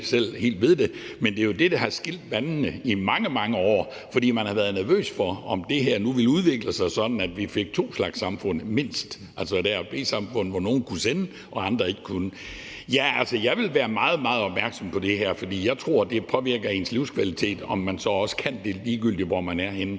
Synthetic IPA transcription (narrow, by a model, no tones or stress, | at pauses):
sel̰he̝̰ːld̥ʋe̝ð̞ˠd̥e̝mend̥e̝jo̝d̥e̝d̥ɑhɑ̈sɡ̥il̰d̥ʋænnəimɑ̈ŋəmɑ̈ŋəɒ̰ː | fɒ̽d̥ḭːmænhɑ̈ʋæɐðˠnæɐʋø̰ːsfɒ̽ɒ̽md̥e̝ɦæɐnuʋe̝luðˠʋe̝ɡ̥ləsɑ̈ɪsɒ̽d̥n̩æd̥ʋife̝ɡ̥̚t͡sʰo̝̰ːslɑ̈ɡ̥sːɑ̈mfɔ̽n̰me̝n̰sd̥ | ʔælsəd̥æɐb̥e̝̰ːsɑ̈mfɔ̽n̰̩ʋɒno̝ːn̩kʰusenə | ʔɒ̽ɑ̈nd̥ʁɐe̝ɡ̥ə̥kʰunə | jæælsəjɑ̈ɪʋe̝lʋæːɐmɑ̈ːð̞̩ˠmɑ̈ːð̞̩ˠɒ̽b̥mæɐɡ̥sɒ̽mpʰɒ̽d̥e̝ɦæɐ̰fɒ̽d̥ḭːjɑ̈ɪt͡sʰʁo̝ɐ̰d̥e̝pʰɒ̽ʋiɐ̰ɡ̥ð̩ˠe̝nsliʊskʰʋælit͡sʰe̝̰ːd̥ɒ̽mːænsɒ̽ɒ̽sə̥kʰænd̥e̝liːɡ̥yl̰d̥iʋɒmænæɐhen